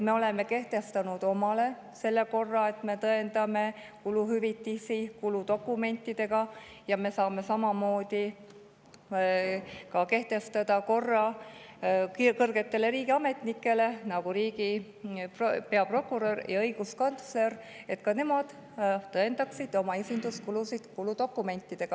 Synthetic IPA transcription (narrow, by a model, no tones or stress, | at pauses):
me̞o̞le̞me̞ke̞ht̪e̞st̪ɑnud̪̥o̞mɑle̞ | se̞lːe̞ko̞rːɑe̞t̪me̞t̪ɤe̞nd̪̥ɑme̞ | kuluɦyvit̪ːisikulud̪o̞kːˑume̞nʲt̪ːˑid̪̥e̞ɡ̥ɑjɑme̞sɑːme̞sɑmɑmo̞ːd̪̥i | kɑke̞ht̪e̞st̪ɑd̪̥ɑko̞rːɑ | kɤrɡ̥e̞t̪ːe̞le̞ɾiːɡ̥iɑme̞t̪nikːˑe̞le̞nɑɡ̥uɾiːɡi | ppe̞ɑpro̞kːˑuɾøɾjɑɤjɡ̥usko̞nt̪sleɾ | e̞t̪kɑne̞mɑd̪̥ | t̪ɤe̞nd̪ɑksid̪o̞mɑesind̪̥uskulusid̪̥kulud̪̥o̞kːˑume̞nʲt̪ːˑid̪̥e̞ɡ̥ɑ